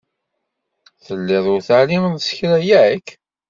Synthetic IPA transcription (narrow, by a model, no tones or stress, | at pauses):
θəlːɪðˤʊɾθaʕliməðsə̥çɾæjæk